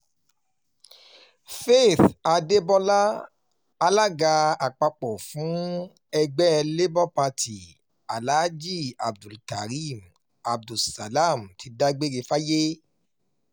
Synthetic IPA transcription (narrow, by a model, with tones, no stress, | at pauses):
fe˦˨θa˧de˦bɔ˦la˦ | a˧la˦ɡa˧a˨k͡pa˧k͡pɔ˨fũ˨˦ | ɛ˧ɡ͡bɛ˦ɛ˧le˦bɔ˦˨pa˧ti˨ | a˨la˦d͡ʒi˦˨a˨b̚du˨lka˨ɾi˦˨m | a˨b̚du˨sa˨la˦˨mti˧˦da˦ɡ͡be˦ɾe˧fa˦je˦